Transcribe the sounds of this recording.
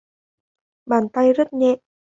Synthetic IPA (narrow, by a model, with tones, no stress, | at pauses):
ɓaː˨˩nt̪a˧jzə˦˥t̚ɲɛ̰˧˨ʔ